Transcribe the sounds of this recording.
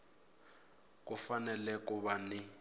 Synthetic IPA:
k̬ʼufanɛlɛkʼuβanɪ

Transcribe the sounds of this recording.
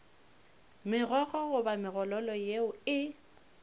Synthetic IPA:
mɪɣɔɣɔɣʊbamɪɣɔlɔlɔjeʊɪ

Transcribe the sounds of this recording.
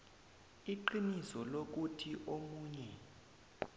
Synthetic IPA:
iǃinisɔlok̬utʰiʔomuːɲɛ

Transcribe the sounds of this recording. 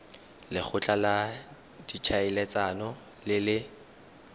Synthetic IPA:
lɪk͡xʰʊt͡ɬʼala | d̥it͡ʃʰaɪlɛt͡sʼanɔ | lɪlɪ

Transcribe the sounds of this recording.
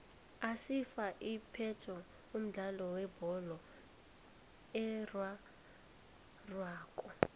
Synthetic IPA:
asifaʔipʰɛtʰɔ | um̩ɮalɔwɛbɔlɔ | ɛrwa | rwaːkʼɔ

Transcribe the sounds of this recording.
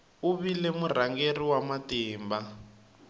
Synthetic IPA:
uβilɛmur̤aŋɡeriwamatiːmba

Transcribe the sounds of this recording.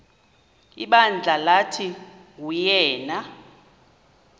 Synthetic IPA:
iɓand͡ɮʱalatʰiujɛːna

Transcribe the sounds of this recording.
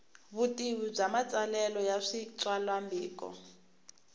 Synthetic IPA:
βutiβib͡ʐamat͡sʼalɛlɔjaʂit͡sʼwalwambiːkʼɔ̰

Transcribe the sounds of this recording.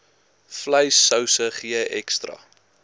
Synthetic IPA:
flɐjsəwsəχiəʔɛkstrɐ̰

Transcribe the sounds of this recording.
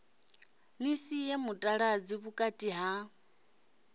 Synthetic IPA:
nisijemutʼaɺad͡ziβukʼatʼiɦa

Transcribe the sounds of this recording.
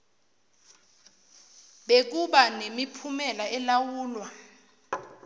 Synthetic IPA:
ɓek̬uɓanemipʰumɛlaɛlawuːlwa

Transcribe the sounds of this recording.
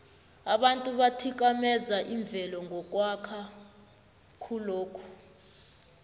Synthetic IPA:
aɓantʼuɓatʰik̬amɛzaʔiɱb̪vʱɛlɔŋɡʱɔk̬ʼwakʰa | kʰuloːkʰu̥

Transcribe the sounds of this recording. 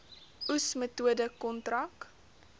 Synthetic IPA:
usmətuədəkɔntrɐk

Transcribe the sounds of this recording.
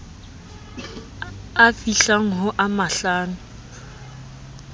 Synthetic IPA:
afiɬaŋ̩ɦʊʔamaɬaːnʊ

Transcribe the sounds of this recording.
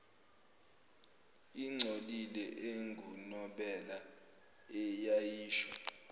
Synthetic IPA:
iŋ͡ǀʱolilɛʔeŋɡʱunɔɓɛla | ɛjajiːʃwa

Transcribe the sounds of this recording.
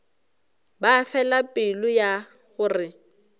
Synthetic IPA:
bafɛlapʼɪlʊja | ɣʊrɪ

